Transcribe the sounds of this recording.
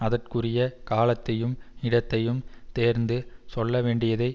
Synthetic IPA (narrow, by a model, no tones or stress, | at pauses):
ɐðɐrkɯrɪjɐkaːlɐt̪ːɐjɯmɪɽɐt̪ːɐjɯmt̪eːɾnd̪ɯsɔlːɐʋeːɳɖɪjɐðɐɪ